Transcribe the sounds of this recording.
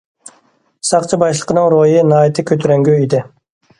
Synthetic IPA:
sɑqt͡ʃʰɨbɑʃlˠə̥qʰənɨŋɾojinɑːjit̪ʰɪkʲʰøt̪ʰyɾɛŋɡʲyid̪ɪ

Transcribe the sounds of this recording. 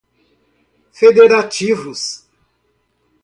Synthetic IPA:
fed̪eɾat͡ʃivus

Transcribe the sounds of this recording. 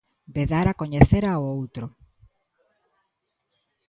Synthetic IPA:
d̪eðaɾakoɲeθeɾaoowt̪ɾo

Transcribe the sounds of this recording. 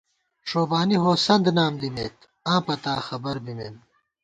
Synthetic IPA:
ʂoːbaːniɦoːsɐnd̪naːmd̪imeːt̪ | ãːpɐt̪aːxɐbɐɾbimeːn

